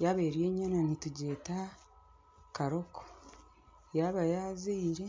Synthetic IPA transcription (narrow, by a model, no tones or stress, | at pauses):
jaβe̞ːɾjeːɲːananituɟe̞ːta | kaɾo̞kʰo̥ | jaβajaːzeiɾe̞